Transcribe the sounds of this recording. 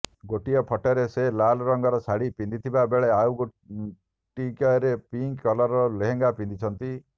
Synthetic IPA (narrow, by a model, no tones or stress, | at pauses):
ɡoʈijɔpʰɔʈɔɾeselalɔɾɔŋɡɔɾɔsaɽipind̪it̪ʰibabeɭeawɡo | ʈikɔɔɾepiŋkkːɔlɔɾɔleɦeŋɡapind̪it͡ʃʰɔnt̪i